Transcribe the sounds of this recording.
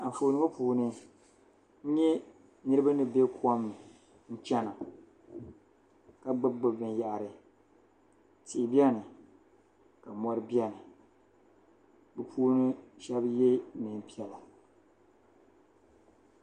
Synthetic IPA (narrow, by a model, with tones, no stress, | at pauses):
a˨foː˨nɨ˦ŋo˦puː˨nɨ˦ | ɲɛ˦ | nɨ˦ɾɨ˦ba˦nɨ˨be˦ku˦ɔ˦mːɨ˨ | n̩˦t͡ʃɛ˦na˨ | ka˦ɡ͡bɨ˦ɡ͡bɨ˨bɨ˨nja˨ʔa˨ɾɨ˨ | ti˨ɪ˨bi˦ɛ˦nɨ˨ | ka˨mɔ˦ɾɨ˦bi˦a˦nɨ˨ | bɨ˨pʰuː˦nɨ˦ʃɛ˦bje˦mɨ˨m˦pi˦ɛ˨la˨